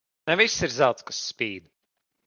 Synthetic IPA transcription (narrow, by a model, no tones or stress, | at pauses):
nɛvisːiɾzawt̪skḁsːpʲiːd̪